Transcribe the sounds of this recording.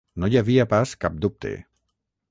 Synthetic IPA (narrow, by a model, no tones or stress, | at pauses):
nɔɟʲavijapaskap̚d̪up̚t̪ḛ